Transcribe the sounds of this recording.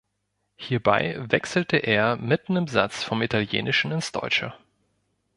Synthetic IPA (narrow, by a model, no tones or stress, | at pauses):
hiːɐba̰ɪvɛksl̩tʰəʔeːɐmɪtn̩ɪmza̰t͡sfɔmitʰaljḛːnʔɪʃn̩ɪnsd̥ɔ̰ʏt͡ʃə̰